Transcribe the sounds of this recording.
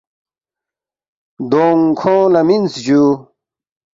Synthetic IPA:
d̪oːŋkʰõːlɐminsd͡ʑuː

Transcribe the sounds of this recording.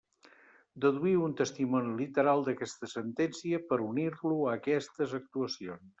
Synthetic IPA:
d̪əðuiunt̪əst̪imɔnilit̪əɾalˠd̪əkɛst̪əsənt̪ɛnsiəpəɾuniɾluəkɛst̪əzək̚t̪uəsions

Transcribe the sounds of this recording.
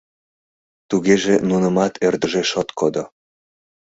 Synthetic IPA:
t̪uɣeʒenunəmɑt̪ʰerd̪əʒeʃot̪kod̪o

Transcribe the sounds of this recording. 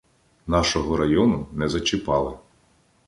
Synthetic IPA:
nɑʃɔɦɔɾɐjɔnʊnɛzɐt͡ʃɪpɑlˠɪ

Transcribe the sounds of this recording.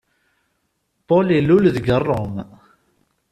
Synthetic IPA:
polilːulðɡərˤːom

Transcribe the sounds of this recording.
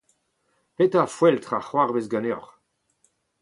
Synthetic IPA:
pet̪afwɛlt̪χaχwaʁvezɡaneɔ̰ʁ

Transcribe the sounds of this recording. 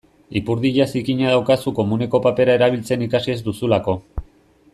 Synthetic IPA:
ipuɾðiʎasikiɲað̞awkasuko̞mune̞ko̞pape̞ɾae̞ɾaβilt͡se̞nikasie̞zd̪usulako̞

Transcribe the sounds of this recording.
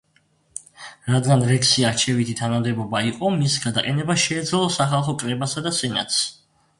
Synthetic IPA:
ɾad̪ɡanɾɛksiaɾt͡ʃʰɛvit̪ʰit̪ʰanamd̪ɛbɔbaiqʼɔmisɡad̪aqʼɛnɛbaʃɛːd̪zlˠɔsaχalˠχɔkʼɾɛbasad̪asɛna̰t̪ʰs

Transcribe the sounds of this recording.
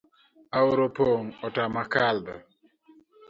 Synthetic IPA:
awɾopoŋɔtamakaldə

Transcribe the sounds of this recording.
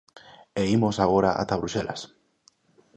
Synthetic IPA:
eimosaɣoɾaʔa̰t̪aβɾusela̰s

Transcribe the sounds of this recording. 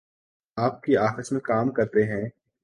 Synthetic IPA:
aːp̚kiaːxəsmẽkaːmkɐɾt̪eɦɛ̃ː

